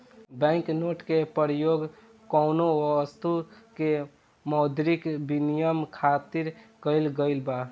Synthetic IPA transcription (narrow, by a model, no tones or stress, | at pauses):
bɛ̃ŋknoʈkepəɾjoɡ | kɔʊnoəst̪uke | mɔʊd̪ʱɾikbinijəmkʰat̪iɾkəɪlɡəɪlba